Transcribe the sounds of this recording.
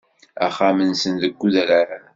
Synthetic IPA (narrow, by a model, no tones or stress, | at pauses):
æχamənsənðəɡʷːuðælaɾa